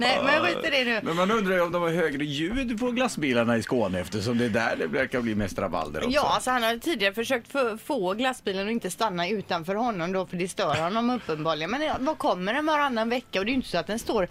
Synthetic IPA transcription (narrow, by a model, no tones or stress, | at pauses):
nɛmɛnjaɧiːt̪əɖɛnʉ̟ːmɛnmanɵnd̪ɾajɔmd̪ɔmæɾɦøːɡɾəjʉːd̪pʰɔɾɡlasbiːlaɳaɪskoːnəɛft̪əʂɔmd̪ɛd̪æ̰ɖɛvæɾkabliːmɛst̪ɾa̰ba̰ld̪ə̰ɔ̰jɑːalsɔhanhad̪t̪ʰiːd̪ɪaɾəfœʂøːk̚t̪fofoːɡlasːbiːlənɔɪnt̪əst̪anːaʉ̟ːt̪anfœːɾɦɔnːɔmd̪ɔfœɖɛst̪œːɾhɔnːɔmɵpːənbɑːlɪɡənmɛnvakʰɔmːəɾɛnvaɾanːaɛnvɛkːaɔd̪ɛjʏnt̪əsɔat̪̚d̪ɛnst̪oːɾ